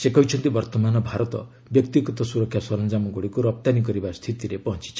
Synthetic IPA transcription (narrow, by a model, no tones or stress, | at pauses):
sekɔɦit͡ʃʰɔnt̪ibɔɾt̪ɔmanɔbʱaɾɔt̪ɔ̰ | bjɔkt̪iɡɔt̪ɔsuɾɔkʰjasɔlɔnd͡ʒamɔɡoɽikuɾɔp̚t̪anikɔɾibast̪ʰit̪iɾepɔɦɔnt͡ʃi̥t͡ʃʰ